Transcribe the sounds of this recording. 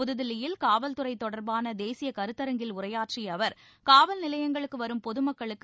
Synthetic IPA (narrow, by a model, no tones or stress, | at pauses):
ʊðɯðɪlɪjɪlkaːʋɐlt̪ɯrɐɪt̪ːɔɽɐɾbaːnɐd̪eːsɪjɐkɐɾɯt̪ːɐɾɐŋɡɪlʊrɐjaːʈriɐʋɐɾ | kaːʋɐlnɪlɐjɐŋɡɐɭɯkːɯʋɐɾɯmpɔðɯmɐkːɐɭɯkː